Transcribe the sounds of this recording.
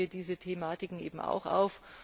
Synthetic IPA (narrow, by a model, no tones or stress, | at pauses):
iːɐdiːzətʰemaːtɪkŋ̩ʔḛːbm̩ʔa̰ʊxʔa̰ʊf